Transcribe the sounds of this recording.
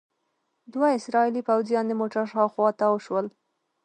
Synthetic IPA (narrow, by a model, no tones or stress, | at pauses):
d̪waɪsɾɑilipawzjɑnd̪əmoʈaɾʃɑwxwɑt̪awəʃwəl